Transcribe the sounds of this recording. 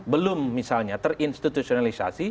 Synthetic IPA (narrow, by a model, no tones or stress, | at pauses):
bəlʊmːisalɲat̪ərinst̪it̪usionalisa̰si